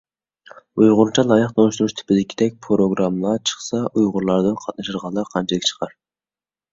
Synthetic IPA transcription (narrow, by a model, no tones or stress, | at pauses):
ujʁʊɾt͡ʃʰɑlˠɑːjɨqd̪onuʃt̪uɾuʃt̪ʰɪ̥pɪlɪkʲʰid̪ɛk̚ʲpʰɾoɡɾʔɑmlˠɑt͡ʃʰə̥χsɑʔujʁʊɾlˠɑɾd̪ɨnqʰɑt̪̚nɨʃɨɾʁɑlˠɑɾqʰɑnt͡ʃʰikʲɛt͡ʃʰə̥qɑɾ